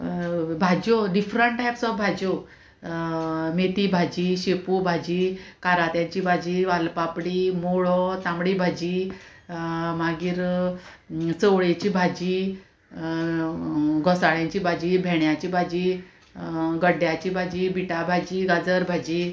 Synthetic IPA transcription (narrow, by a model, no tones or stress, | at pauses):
bʱad͡ʑoɖifɾəɳʈʈːajpsɔfbʱad͡ʑo | met̪ibʱad͡ʑiːɕepubʱad͡ʑiːkaɾat̪jãɲt͡ɕiːbʱad͡ʑiːʋalpapɽiːmoɭɔt̪ãmɽibʱad͡ʑiː | maɡiːɾ | t͡səʋɭet͡ɕiːbʱad͡ʑiː | ɡɔsaɭjãɲt͡ɕibʱad͡ʑiːbʱɛɳjat͡ɕiːbʱad͡ʑiː | ɡəɖjat͡ɕiːbʱad͡ʑiːbiʈabʱad͡ʑiːɡad͡zəɾbʱad͡ʑiː